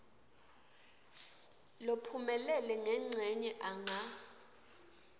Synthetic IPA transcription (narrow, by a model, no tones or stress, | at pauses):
lopʰumɛlɛlɛŋɛŋ͡ǀʱɛɲɛʔaŋa